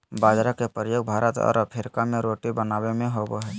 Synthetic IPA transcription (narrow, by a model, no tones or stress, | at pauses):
baːd͡ʒɾəkepɾjoːɡbʱaːɾət̪ɔ̰ːɾəpʰeɾɪkamẽɾoːʈibənaːbemẽɦoboɦɛː